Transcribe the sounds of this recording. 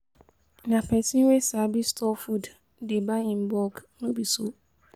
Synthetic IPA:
nãpʰɛsĩnwesaːbistʰɔfud | debaĩmbɔɡnũbiso

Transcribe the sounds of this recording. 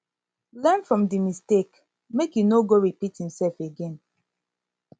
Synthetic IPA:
lɛnfɹɔ̃mdimistek | mekjunoɡoɹipithĩmsɛlfeɡẽn

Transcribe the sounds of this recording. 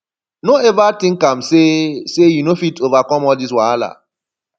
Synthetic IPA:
noevatɪŋ̩kam̩sesejunofitovakɔmɔdis̬waala̰

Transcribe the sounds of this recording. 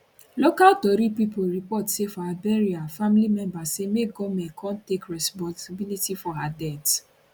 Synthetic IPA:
lokaltɔɾipipoɹipɔtsefɔhabɛɹiafamilimɛ̃mbasemeɡɔmɛ̃nkʰɔ̃ntekɹɛspɔ̃nsabilitifɔɦadɛt

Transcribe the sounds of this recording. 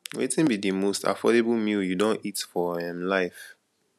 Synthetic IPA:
wḛtĩnbidimosta̰fɔɾebəl̩ˠmiljudõntitfɔɛ̃mlaɪf

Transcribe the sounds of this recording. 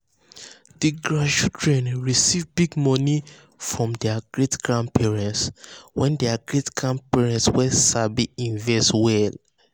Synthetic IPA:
d̥iɡɹãʃudɹɛ̃nɹisivbiɡmɔni | fɹɔ̃mdɛaɡ̥ɹetɡ̥ɹãndpʰɛɹɛ̃ntswɛ̃ndɛaɡɹetɡ̥ɹãn̚pɛɹɛ̃ntswɛsabiĩnvɛstwɛl

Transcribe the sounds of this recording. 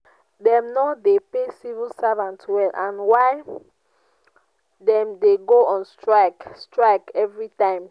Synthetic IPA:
dɛ̃mnɔdepesivilsavãntwɛlʔãnwaɪ | dɛ̃mdeɡoɔ̃nstɹakstɹaɪkɛvɹitãɪ̃m

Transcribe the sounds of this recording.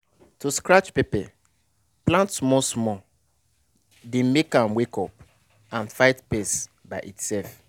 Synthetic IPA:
tuskɾat͡ʃpepɪ | plãntsmɔsmɔ | dẽmekãmwekɔp̚ | ãnfaɪtpes | baʔitsɛlf

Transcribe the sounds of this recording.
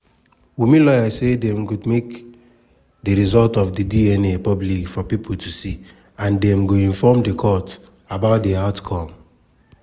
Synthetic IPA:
wimĩlɔjasedɛ̃mɡomek | diɹizɔltɔfdidiɛnepɔblikfɔpipʰotʰusi | ãndɛ̃mɡoĩnfɔmdekʰɔt | abaʊt̚deaʊtkʰɔ̃m

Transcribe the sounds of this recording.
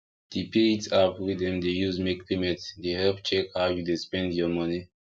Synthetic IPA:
d̥epʰeitapwidɛ̃mdejuzmekːlimɛtsdehɛlp̚t͡ʃɛkhawjudespɛ̃ndjɔmʌni

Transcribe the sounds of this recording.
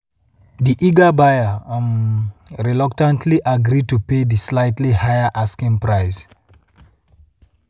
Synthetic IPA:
d̪iʔiɡabajə | ɹɛlɔktãntʰliʔaɡɾid̚tuped̪islaɪtlihajəʔaskĩŋpɹaɪs

